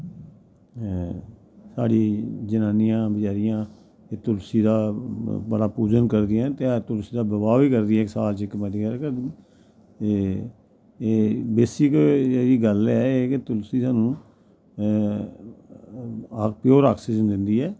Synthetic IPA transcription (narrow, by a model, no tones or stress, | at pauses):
sa̰ːɽiːd͡ʒənaːnɪjãːbəd͡ʒaːɾɪjãː | et̪ʊlsiːd̪aːbəɽaːpuːd͡ʒənkəɾd̪ɪjãt̪et̪ʊlsiːd̪aːbəbaːiːkəɾd̪iːɛːɪksaːlt͡ʃɪkmɛ̃d̪ikəɾkə | beːsɪkeːɾiːɡəlɛːeːket̪ʊlsiːsaːnũː | akpjoːɾaːksɪd͡ʒnd̪ɪnd̪iːɛː